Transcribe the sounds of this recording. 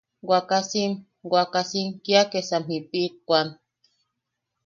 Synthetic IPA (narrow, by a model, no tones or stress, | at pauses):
ɡʷwakasim | ɡʷakasiŋkiakesamhipit̪̚kʷan